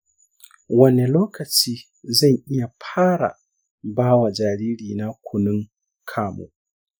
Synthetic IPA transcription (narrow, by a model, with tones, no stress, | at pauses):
wɐ˦nɛ˨lɔː˦ka˨t͡ʃiː˦ | za˦jʔi˦ja˨pʰaː˦ɾa̰˨ | baː˦wa˨d͡ʒa˨ɾiː˦ɽiː˨na˦kʷʰu˨nu˦ŋ | kʰaː˦mṵ˨